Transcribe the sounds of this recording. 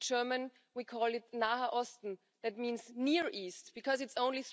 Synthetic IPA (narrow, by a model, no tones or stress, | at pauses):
d͡ʒɜ˞mə̃n | wikʰɔːlˠɪtnaəʔɔstn̩ | ðæt̚mĩːnzniɹʔiːst̚b̥ɨkʰɔzɨtsõʊ̃nliθ